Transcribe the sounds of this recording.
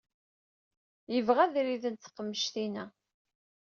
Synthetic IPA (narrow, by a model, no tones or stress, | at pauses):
jəvʁæðɾiðənt̪θə̥qːəmːəʃt̪inæ